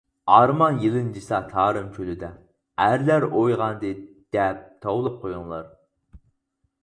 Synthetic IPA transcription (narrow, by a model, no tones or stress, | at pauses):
ɑɾmɑnjilˠɨnd͡ʒisɑt̪ʰɑːɾɨmkʲʰølyd̪ɛ | æɾlæɾojʁɑnd̪ɨ | d̪̥ɛp̚t̪ʰɑwlˠɨp̚qʰojuŋlˠɑɾ